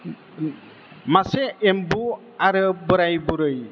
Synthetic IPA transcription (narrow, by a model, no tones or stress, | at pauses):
maseembu | aɾɯbɔɾajbuɾɯj